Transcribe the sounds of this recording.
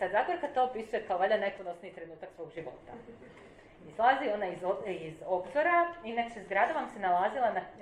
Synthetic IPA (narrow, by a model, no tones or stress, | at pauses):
t̪azaɡoɾkat̪oopisujekaoʋaʎaneponosniit̪ɾe̞nuːt̪aksʋo̞ːɡʒiʋo̞̰ːt̪a | islˠazio̞naizizo̞bzoɾaineksezɡɾad̪aʋamsenalaːzilˠana